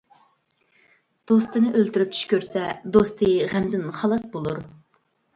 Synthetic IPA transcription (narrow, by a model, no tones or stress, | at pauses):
d̪̥ost̪ɨnɨʔølt̪yɾyp̚t͡ʃʰy̥ʃkʲøɾsɛd̪ost̪ʰɨʁæmd̪ɪnχɑlˠɑsbolˠuɾ